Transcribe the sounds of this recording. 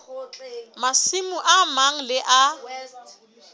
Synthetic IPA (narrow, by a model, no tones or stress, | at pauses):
masimuʔamaŋ̩lɪʔa